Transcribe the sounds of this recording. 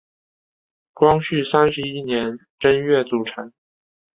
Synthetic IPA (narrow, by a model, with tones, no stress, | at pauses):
kwɑ˥ŋɕy˥˩sa˥nʂɻ̩˧˥i˥njɛ˧˥n | ʈ͡ʂə˥nɥɛ˥˩t͡su˨˩ʈ͡ʂʰa˧˥˦n